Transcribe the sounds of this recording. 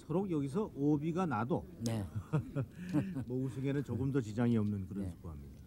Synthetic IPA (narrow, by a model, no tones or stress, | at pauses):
sʰʌɾoɡjʌɡis̬ʰʌʔobiɡanadone | mʌusʰuŋe̞nɯnt͡ɕoɡɯmdʌt͡ɕid͡ʑaŋiʌmnɯnkɯɾʌnsʰu̥ɡoɦamɲida